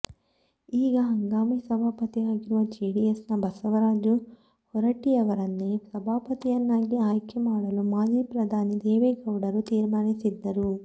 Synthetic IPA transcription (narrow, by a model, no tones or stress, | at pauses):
iːɡɐɦɐŋɡaːmisɐbʱaːpɐt̪iaːɡiɾuʋɐd͡ʒiːɽijesnɐbɐsɐʋɐɾaːd͡ʒu | hɔɾɐʈːiɐʋɐɾɐnːisɐbʱaːpɐt̪ijɐnːaːɡiaːjkɐmaːɽɐlumaːd͡ʒiːpɾɐd̪ʱaːnid̪eːʋeːkɐwɽɐɾut̪iːɾmaːɾisid̪ːɐɾu